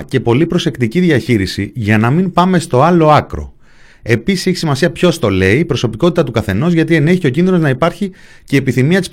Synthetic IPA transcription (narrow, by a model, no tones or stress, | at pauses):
ce̞po̞lipɾo̞se̞kt̪iciðiɐçiɾisiʝɐnɐmimpɐme̞st̪o̞ɐlo̞ɐkɾo̞̰ | e̞pisi̥seçi̥simɐsiɐpço̞st̪o̞le̞ipɾo̞so̞piko̞t̪it̪ɐt̪ukɐθe̞no̞zʝɐt̪ie̞ne̞çiocinðino̞znɐipɐɾçi | ce̞ːpiθimiɐt̪is